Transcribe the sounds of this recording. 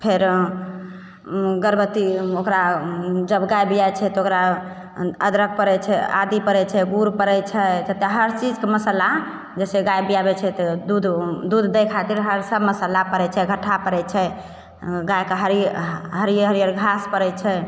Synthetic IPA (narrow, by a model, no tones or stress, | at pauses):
pʰeɾ | ɡəɾbət̪iokɾad͡ʒəbɡajbijajt͡ʃʰɛt̪ɔokɾa | əd̪ɾək̚pəɾɛt͡ʃʰɛa̰d̪ipəɾɛt͡ʃʰɛɡuɾpəɾɛt͡ʃʰɛd͡ʒət̪eɦəɾt͡ʃid͡ʒkeməsəla | d͡ʒɛseɡajbijabɛt͡ʃʰɛt̪ɔd̪ud̪d̪ud̪ʱd̪ejkʰat̪iɾɦəɾsəbməsəlapəɾɛt͡ʃʰɛɡʱəʈʰapəɾɛt͡ʃʰɛ | ɡajkeɦəɾɦəɾijəɦəɾijəɾɡʱaspəɾɛt͡ʃʰɛ